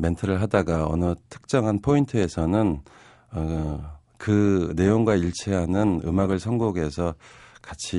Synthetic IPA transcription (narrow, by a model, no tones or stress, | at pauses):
me̞ntʰɯɾɯɭɦadaɡaʌ̰nɯtʰɯ̥k̚t͡ɕ͈ʌŋɦanpʰointʰɯe̞sʰʌnɯn | ʌ | kɯne̞joŋɡwaiɭt͡ɕʰeɦanɯnɯ̰maɡɯɭsʰʌŋɡoɡe̞sʰʌkat͡ɕʰi